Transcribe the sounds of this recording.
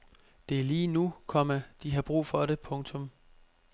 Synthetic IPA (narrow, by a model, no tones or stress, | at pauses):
d̥e̝æliːnukʰɒ̽mæd̥iɦɑ̈b̥ʁṵːfɒ̽ɾe̝pʰɔ̽ŋt͡sʰɔ̽m